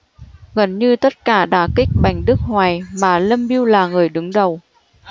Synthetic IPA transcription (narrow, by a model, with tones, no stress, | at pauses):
ɣə˨˩nɲɨ˧t̪ə˦˥t̚kaː˧˩ɗa̰ː˧˩kï˦˥k̚ɓa˨˩jŋ̟ɗɨ˦˥ək̚hwaː˨˩jmaː˨˩lə˧mɓi˧əwlaː˨˩ŋɨ˨˩əjɗɨ˨˦ŋɗə˨˩w